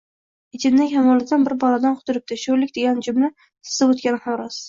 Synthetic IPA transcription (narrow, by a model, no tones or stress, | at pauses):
ɪt͡ʃʰɪnnɪŋʲhamɒlˠɪd̪anbɪɾbɒlad̪anqʰʊt̪ʰʊɾɪp̚t̪ɪʃolɪk̚ʲd̪e̞ɡʲand͡ʒʊmnɪ | sɨ̥zɪbot̪̚kʲanɪhamɾɒs